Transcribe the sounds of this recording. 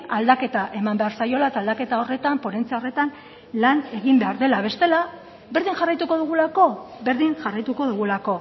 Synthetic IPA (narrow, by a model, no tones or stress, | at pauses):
ald̪ake̞t̪aʔe̞mambe̞aɾsajo̞laet̪aːld̪ake̞t̪ao̞re̞t̪ampo̞ɾe̞nt͡siaore̞t̪an | lane̞ɣimbe̞aɾðe̞laβe̞st̪e̞la | be̞ɾðiŋʝarajt̪uko̞ðuɣ̞ulako̞be̞ɾðiŋʝarajt̪uko̞ðuɣ̞ulako̞